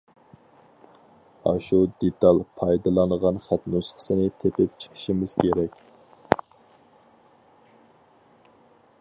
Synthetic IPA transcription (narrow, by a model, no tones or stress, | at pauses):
ɑ̰ʃud̪et̪ʰɑlˠpʰɑjd̪ɨlˠɑnʁɑnχæt̪nusχʰə̥sɨnɪt̪ʰepɪp̚t͡ʃʰə̥qʰə̥ʃimɪz̥kʲʰeɾɛkʲ